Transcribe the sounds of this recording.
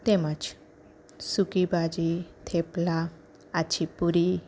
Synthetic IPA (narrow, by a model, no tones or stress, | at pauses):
t̪emat͡ɕ | sukibad͡ʑit̪ʰepla | at͡ɕʰipuɾi